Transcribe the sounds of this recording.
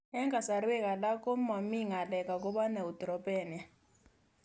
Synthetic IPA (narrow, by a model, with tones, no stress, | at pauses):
ɛ˦ŋɡʱa˨sa˨ɾi˦wɛ˦kʼa˨la˦kʼɔ˦ma˨mi˦ŋa˨lɛ˨kʼa˨k̬ʼɔ˦ɓa˦nɛ˨u˨d̥ɔ˨ɾɔ˨bʼɛː˨ni˨a˨